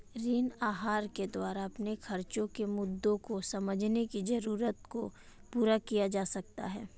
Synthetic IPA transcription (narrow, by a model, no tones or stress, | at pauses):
ɾiːnaːɦaːɾked̪waːɾaɐpnexʰɐɾt͡ʃõkemʊd̪ːõkosɐməd͡ʒʱnekizɐɾuːɾət̪ko | puːɾakijad͡ʒaːsɐk̚t̪a̰ɦɛː